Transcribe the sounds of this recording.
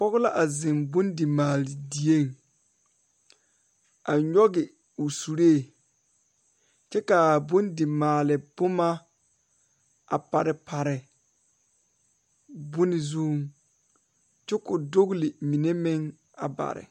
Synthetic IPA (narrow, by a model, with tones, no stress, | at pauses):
k͡pɔ˦ɣʊ˦la˦ʔa˨zɪ˨mbʊ˦ndɪ˨maː˨lɪ˨di˨e˦˨ŋ | a˨ɲɔ˦ɡɪ˨ | ʊ˨su˨ɾe˦˨ | t͡ʃɛ˦ka˨bʊ˦ndɪ˨maː˨lɪ˨bʊ˦ma˦ | a˨pa˨ɾɪ˨pʰa˨ɾɪ˨ | bʊ˦nɪ˨zu˦ŋ | t͡ʃɛ˦kʊ˨do˦ɣlɪ˨mi˨ne˦mɪ˦ŋ | a̰˨ba̰˨ɾɪ̰˨